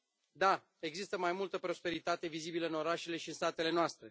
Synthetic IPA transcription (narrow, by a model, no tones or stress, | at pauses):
d̪a | e̞ɡzist̪əmajmult̪əpɾo̞spe̞ɾit̪at̪e̞vizibiləɨno̞ɾaʃe̞le̞ʃiɨnst̪at̪e̞le̞noast̪ɾe̞